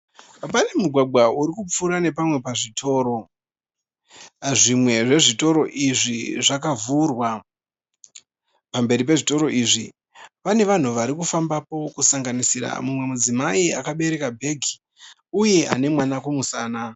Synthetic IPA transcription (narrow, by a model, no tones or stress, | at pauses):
ap̬ane̞muɡʱwaɡʱwauɾikup͡fuɾane̞pamwe̞paʐitʰo̞ːɾo̞ | ʐimwe̞ʐe̞ʐito̞ɾo̞ʔiʐiʐakavurwa | pambe̞ɾipe̞ʐito̞ɾo̞ʔiʐi | pane̞ʋan̤uʋaɾikufambapo̞kusaŋɡanisiɾa̰mumwe̞mud͡zimaia̰kaɓe̞ɾe̞kabʱe̞ɡʱi | uje̞ʔa̰ne̞mwanakumusaːna